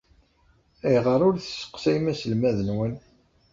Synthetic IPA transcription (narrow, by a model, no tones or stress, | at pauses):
æjʁəɾˤʊɾθə̥sə̥qsæjmæsəlmæðənwən